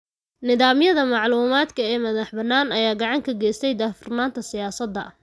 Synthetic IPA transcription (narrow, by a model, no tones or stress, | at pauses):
nɪðaːmjɐðɐmɑʕluːmaːd̪kʰɐɛːmɐðɐħbɐnːaːnɐjaːɡɑʕɑŋkʰɐɡɛːjst̪ʰɛjd̪aːfʊrnaːnt̪ʰɐsɪjaːsɐd̪ːɐ̰